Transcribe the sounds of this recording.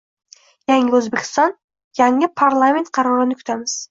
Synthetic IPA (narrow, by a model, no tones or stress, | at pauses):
jaŋɪɵzbekʲɪ̥st̪ɑn | jaŋɪpʰarlˠamʲent̪̚qʰɑɾuɾɑnɪkʰy̥t̪ʰamɪz̥